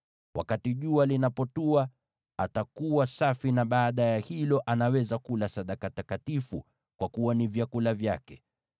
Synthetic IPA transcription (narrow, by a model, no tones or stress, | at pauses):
wʔa̰katiʄualinapɔtua | atakuwasafinaɓaːɗajahilɔʔanawɛzakulasaɗakatakatifu | kwakuwanivjakulavjakɛ